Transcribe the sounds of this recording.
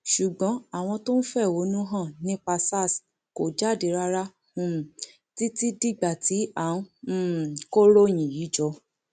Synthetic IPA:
ʃu˨ɡ͡bɔ̃˨˦a˨w̃ɔ̃˧to˦n̩˦fɛ˦˨wo˨˦nũ˦ɦã˦˨nĩ˦k͡pa˧sa˦˨s | ko˨d͡ʒa˦˨di˨˦ɾa˦ɾa˦ | ũ˦˨ | ti˦ti˦di˦ɡ͡ba˨ti˨˦a˨ũ˦˨ | ko˦ɾo˦˨j̃ĩ˨ji˨˦d͡ʒɔ˧

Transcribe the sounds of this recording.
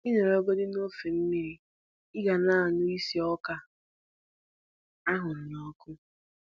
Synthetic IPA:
i˦ne˨ɾo˦ɡo˦dɪ˦no˦fe˨m̩˦mi˦ɾi˨ | ɪ˦ɡa˨na˦˨nʊ˦i˦si˦ɔ˦ka˦ | a˦ɦʊ˨n̩˨nɔ˦kʊ˦

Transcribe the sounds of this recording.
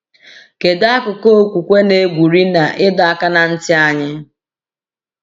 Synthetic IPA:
ke˨da˦a˦kʊ˨ko˦˨kʷu˨kʷe˦ne˨˦ɡʷu˨ɾi˦na˨ʔɪ˦dɔ˨a˦ka˦na˨n̩˦tɪ˦a˦ɲɪ˦

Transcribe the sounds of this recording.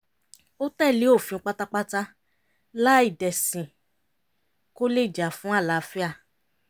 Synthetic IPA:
o˦tɛ˦˨li˨˦o˦˨fĩ˨˧˦k͡pa˦ta˦k͡pa˦ta˦ | la˦i˦˨dɛ˨sĩ˨ | ko˦le˦˨d͡ʒa˨˦fũ˦a˦˨la˨˦˧fi˦a˦˨

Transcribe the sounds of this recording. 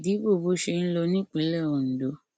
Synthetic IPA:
di˨˦bo˦˨bo˨˦ʃe˧n̩˦lɔ˧nĩ˦˨k͡pe˨˦lɛ˦˨o˨n̩˨do˨˦

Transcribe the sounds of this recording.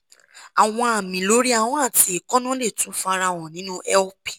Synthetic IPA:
a˨w̃ɔ̃˧a˨mĩ˨lo˨˦ɾi˦a˦˨w̃ɔ̃˨˦a˦˨ti˧˦e˨kɔ˦nã˦le˦˨tũ˨˦fa˧ɾa˧˨wɔ̃˨nĩ˨˦nũ˦ʔɛ˦ɔ˦pi̥˨

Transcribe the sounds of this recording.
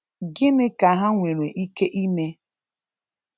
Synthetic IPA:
ɡɪ˦nɪ˦ka˨ɦa˦ŋʷe˨ɾe˨ʔi˦ke˦ʔi˦me˦

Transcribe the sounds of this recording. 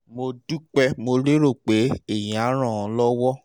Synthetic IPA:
mo˧du˦k͡pɛ˧mo˧ɾe˦ɾo˦˨k͡pe˨˦e˦˨j̃a˨˦ɾ̃ɔ̃˦˨ɔ̃˨lɔ˦wɔ˦

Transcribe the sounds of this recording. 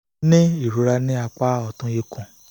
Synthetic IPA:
nĩ˦i˦˨ɾu˨˦ɾa˧nĩ˦a˧k͡pa˦ɔ˨tũ˧˦je˧kũ˨

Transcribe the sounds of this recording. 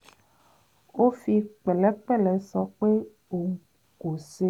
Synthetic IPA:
wo˦fi˦k͡pe˨le˦k͡pe˦le˨sɔ˦k͡pe˦ | o˨ | ɡo˨se˦

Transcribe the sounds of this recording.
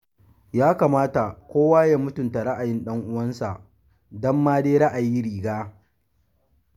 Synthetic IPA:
jaː˦kaː˨maː˦ta˨kʷoː˦waː˦ja˦mʊ˦tʊ˨nta˨ɽa˦ʔa˨jɪ˦nɗɐ˦ŋʔʊ˦wɐ˦nsa˨ʔ | dɐ˦mːaː˦deː˦ɾa˦ʔa˨jiː˦ɾiː˨ɡaː˦

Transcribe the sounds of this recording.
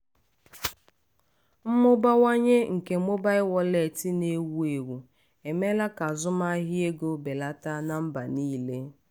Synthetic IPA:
m̩˦mʊ˦ba˦wa˦ɲe˦ŋ̩˨ke˨˦mʊ˦ba˦ɪ˦wɔ˦le˨tɪ˦ne˦wu˦e˨wu˨ | e˨me˦la˦ka˨zʊ˦ma˦ɦɪ˦e˦ɡo˦be˨la˦ta˦na˦m̩˦ba˨niː˦le˦

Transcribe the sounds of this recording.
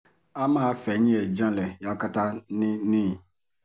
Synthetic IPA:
ã˦ma˦fɛ˨˦ɲ˦ɛ˨d͡ʒã˦lɛ˨ja˨˦ka˦ta˦ni˦nĩ˦˨

